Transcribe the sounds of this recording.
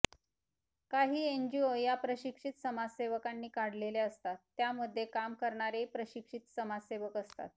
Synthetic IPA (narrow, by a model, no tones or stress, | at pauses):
kaɦiːeɲd͡ʑiojapɾəɕikʂit̪səmad͡zseʋəkanːiːkaɽ̤leleəst̪at̪ːjaməd̪ʱːjekamkəɾɳaɾepɾəɕikʂit̪səmad͡zseʋəkəst̪a̰t̪̚